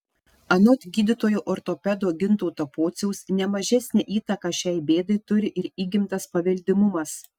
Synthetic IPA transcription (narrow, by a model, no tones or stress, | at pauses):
ɐnoːt̪ʲɡʲiːd̪ʲɪt̪oːjoːʔoːɾt̪opʲɛd̪oːɡʲɪnt̪ɔʊt̪ɐpoːt̪sʲɛʊsnʲɛmɐʒʲɛsʲnʲeʔiːt̪ɐkɐʃʲɛɪbʲeːd̪ɐɪt̪ʊɾʲɪʔɪɾiːɡʲɪmt̪ɐspɐʋʲɛlʲd̪ʲɪmʊmɐs